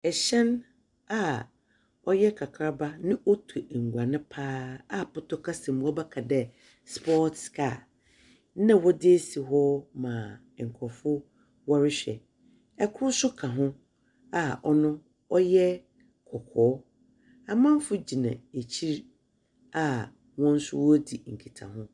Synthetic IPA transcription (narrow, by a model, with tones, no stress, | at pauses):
ɛ˨ɕɛ̃˦n | a˦˨ | ɔ˦jɛ˦kʰa˨kʰɾa˦ba˦nɪ̃˦ʔo˦tʰu˨ŋ̩˨ɡʷã˨nɪ̃˦pʰaː˦a˦pʊ˦tʰɔ˦kʰa˦sɛ̃˨m˨wɔ˦bɛ˦kʰa˨dɛ˨ | spʰɔ˦tskʰaː˨˦ | nã˦˨wɔ˦dɪ˦e˦si˨ɦɔ˦mã˨ | ŋ̩˨kʰɔ˨fʊ˦ | wɔ˦ɾɪ˦ɕᶣɛ̰˨ | ɛ˦kʰʊ˦sʊ˦kʰa˨ɦʊ̃˦ | a˨ʔɔ˦nʊ̃˦ | ɔ˦jɛ˦ | kʰɔ˨kʰɔː˨˦ | a˨mã˦m˦fʊ˦d͡ʑi˨nã̰˨e˨t͡ɕʰi˦ɾ | a˦ | wɔ̃˦n̩˦sʊ̰˦wɔ˦di˨ŋ̩˨kʰi˨tʰa̰˨ɦʊ̃˦